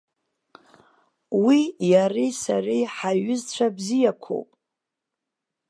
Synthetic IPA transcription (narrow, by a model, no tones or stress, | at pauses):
wijarisa̰rijħaɥʏzt͡ɕʷʰabzijakʷʰo̰pʼ